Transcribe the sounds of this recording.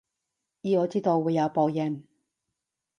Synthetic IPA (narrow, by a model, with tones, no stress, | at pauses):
jiː˨˧ŋɔː˨˧t͡siː˥t̪o˧wːuː˨˧jːɐ˨˧wpoː˨˧jɐ˨˧˩n